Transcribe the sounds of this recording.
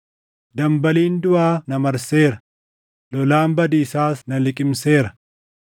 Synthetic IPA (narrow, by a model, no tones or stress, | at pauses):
d̪ɐmbɐliːnd̪ʊaːnɐmɐɾseːɾɐ | lɔlaːmbɐd̪iːsaːsnɐlɪkʼɪmse̞ːɾɐ̥